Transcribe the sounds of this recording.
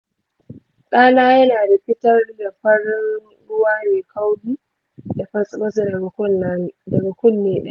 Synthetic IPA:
kʼaː˦naː˦jɐ˦naː˨da˨ɸɪ˦tɐ˦rda˨ɸɐ˦ɾɪ˦n | ɾʊ˦waː˦neː˨kʰa˦wdi˦ | da˨ɸɐ˦sʼmɐ˦s | dɐ˨ɡa˨kʷʊ˦nːeː˦ɗa˦˨

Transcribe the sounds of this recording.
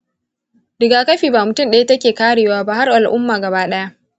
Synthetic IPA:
dɪ˨ɡaː˨kɐ˦ɸiː˨baː˨mʊ˨tʊ˦˨mɗɐ˦je˦tɐ˦kʲeː˨kaː˦ɽeː˨waː˦ba˦ha˦rʔa˨lʔʊ˦mːaː˨ɡɐ˨baː˦ɗɐ˦ja˦ʔ

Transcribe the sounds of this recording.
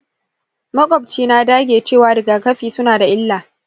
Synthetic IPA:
mɐ˦kʼɔ˨b̚t͡ʃiː˦na˦daː˦ɡʲeː˨t͡ʃeː˦˨waː˨dɐ˨ɡaː˨kɐ˦ɸiː˨sʊ˦naː˨da˨ʔɪ˦lːaː˨

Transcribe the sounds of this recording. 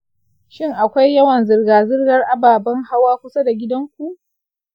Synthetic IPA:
ʃɪ˦ŋʔa˨kʷa˦jːɐ˦wɐ˨nzɪ˨rɡaː˨zɪ˦rɡɐ˦rʔa˨baː˨bɐ˦ŋha˦waː˦kʷʊ˦sa˦da˨ɡʲɪ˦dɐ˦ŋkʷu˨ʔ

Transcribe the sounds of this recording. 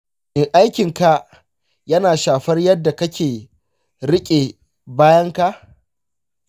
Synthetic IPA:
ʔeː˨ʔa˦jkʲɪ˨ŋka˦ | jɐ˦naː˨ʃaː˨ɸɐ˦rjɐ˦dːa˨kɐ˦kʲʰeː˨ | ɾɪ˦kʲʼe˨ | baː˦jɐ˦ŋka˦ʔ

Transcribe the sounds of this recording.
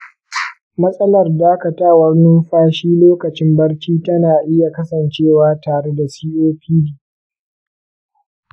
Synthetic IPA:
mɐ˦sʼɐ˦lɐ˨rdaː˦kɐ˨taː˦wɐ˦rnʊ˦mɸaː˦ʃiː˦loː˦kɐ˨t͡ʃɪ˦mbɐ˦ɽkʲiː˦tɐ˦naː˨ʔɪ˦ja˨kɐ˦sɐ˨nt͡ʃeː˦˨waː˦taː˨ɽe˦da˨siː˦ʔoː˦ɸʰiː˦diː˨

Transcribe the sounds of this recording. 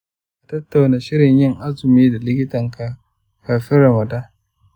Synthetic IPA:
ʔa˨tɐ˦tːa˨wnaː˨ʃɪ˦ɾɪ˨ɲjɪ˦ŋʔa˦zʊ˨miː˦da˨lɪ˦k̬ʲɪ˦tɐ˨ŋka˨ | kaː˨ɸɪ˦ɾɐ˨mɐ˨daː˦

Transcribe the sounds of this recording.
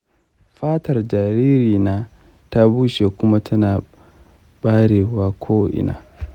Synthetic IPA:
ɸaː˦tɐ˨rd͡ʒaː˨ɾi˦ɾiː˨naː˦ | ta˦buː˦ʃe˨kʊ˦ma˦tʰɐ˦naː˨ | ɓaː˦ɽeː˨waː˦kʷʰoː˦ʔɪ̰˨na̰ː˨

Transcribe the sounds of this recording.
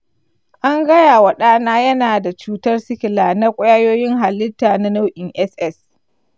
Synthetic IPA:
ʔa˦ŋɡɐ˦jaː˨wɐ˨ɗaː˦naː˦jɐ˦naː˨da˨t͡ʃuː˦tɐ˦rsɪ˦kʲɪ˨laː˨na˦kʷʼʊ˦jaː˦joː˦jɪ˦ŋɦa˨lːɪ˦tːaː˨na˦na˦wʔɪ˨ŋʔɛ˦sʔɛ˦s

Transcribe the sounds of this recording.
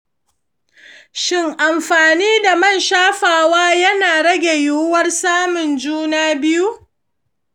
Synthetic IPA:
ʃɪ˦ŋʔa˨mɸaː˨niː˦da˨mɐ˦˨nʃaː˦ɸaː˨waː˦jɐ˦naː˨ɽɐ˦ɡʲe˨juː˦wɐ˦rsaː˦mʊ˨nd͡ʒuː˦naː˦bɪ˦ju˦ʔ

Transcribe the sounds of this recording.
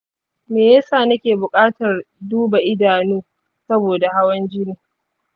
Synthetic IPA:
meː˨jɐ˦saː˨nɐ˦kʲeː˨bʊ˨kʼaː˦tɐ˨rduː˦ba˨ʔɪ˦daː˨nuː˦ | sɐ˦boː˨da˨ha˦wɐ˦nd͡ʒɪ˦niː˨

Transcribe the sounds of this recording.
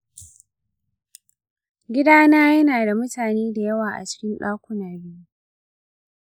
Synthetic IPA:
ɡʲɪ˦daː˦naː˦jɐ˦naː˨da˨mʊ˦taː˨neː˦da˨jɐ˦waː˨ʔa̰˨t͡ʃɪ̥˦kʲɪ˦nɗaː˦kʷʊ˦nɐ˨ɽiː˦

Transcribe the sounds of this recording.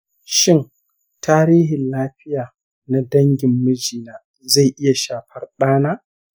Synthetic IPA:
ʃɪ˦ŋ | taː˦ɾiː˦ɦɪ˨nlaː˦ɸɪ˦jaː˨ | na˦dɐ˦ŋɡʲɪ˨mːɐ˦d͡ʒiː˨naː˨ | za˦˨jʔɪ˦ja˨ʃaː˨ɸɐ˦rɗaː˦naː˦

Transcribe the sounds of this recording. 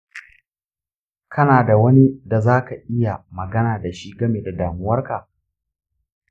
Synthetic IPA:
kʰɐ˦naː˨da˨wɐ˦ni˦da˨zaː˦ka˨ʔɪ˦ja˨mɐ˨ɡɐ˦naː˨da˨ʃi˦ɡɐ˦meː˨da˨daː˨mʊ˦wɐ˦rka˨

